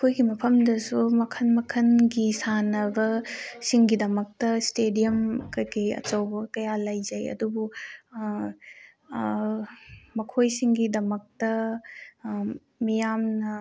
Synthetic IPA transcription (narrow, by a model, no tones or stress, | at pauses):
kʰojɡimɐpʰɐmdɐsumɐkʰɐnmɐkʰɐnɡisanɐbɐsiŋɡidɐmɐk̚tɐstedijɐmɐkojkɐjɐ̰t͡ʃɐwbɐkɐjalɐjzɐjɐ̰dubu | mɐkʰojsiŋɡidɐmɐk̚tɐ | mijamnɐ